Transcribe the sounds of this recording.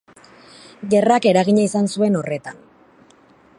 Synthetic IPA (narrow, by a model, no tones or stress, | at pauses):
ɡe̞rake̞ɾaɣiɲaisansue̞no̞re̞t̪an